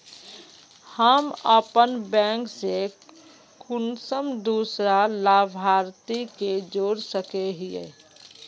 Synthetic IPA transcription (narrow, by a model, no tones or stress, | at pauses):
həməpənbɛ̃ːŋkse | kʊnsəmd̪uːsɾalaːbʱaːɾt̪iked͡ʒoːɾsəkeɦiḛ